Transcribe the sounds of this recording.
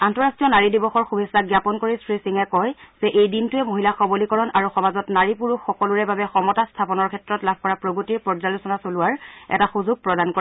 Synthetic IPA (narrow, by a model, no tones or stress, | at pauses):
antɔɹastɹijɔnaɹidibɔxɔɹxubʱesːaɡjapɔnkoɹistɹisiŋɛkɔjz̥ɛʔejdintʊɛmoɦilaxɔbolikɔɹɔnaɹuxɔmazɔtnaɹipuɹuxɔkɔluɹɛbabɛxɔmɔtastʰapɔnɔɹkʰɛtɹɔtlabʱkɔɹapɹoɡotiɹpɔɹzalusɔnasolʊaɹɛ̰taxuzuɡ̚pɹɔdankoɹ